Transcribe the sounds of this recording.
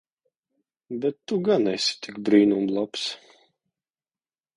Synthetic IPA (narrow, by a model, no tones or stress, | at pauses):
bɛt̪ːuɡanɛsʲi̥t̪ikbɾiːnumlˠaps